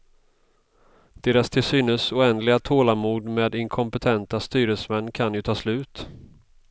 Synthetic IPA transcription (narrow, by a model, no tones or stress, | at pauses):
d̪̥eːɾast̪ʰɪlsyːnəsʊɛnd̪lɪɡat̪ʰoːlamuːd̪meːd̪ɪŋkʰɔmpɛt̪ʰɛnt̪ast̪yːɾəsmɛnːkʰanjɵt̪ʰɑːslʉ̟ːt̪